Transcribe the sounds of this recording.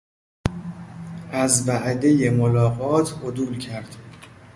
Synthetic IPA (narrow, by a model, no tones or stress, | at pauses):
ʔæzvæʔd̪e̞je̞molɒːɣɒːt̪ʰʔod̪uːlcʰæɾd̪̥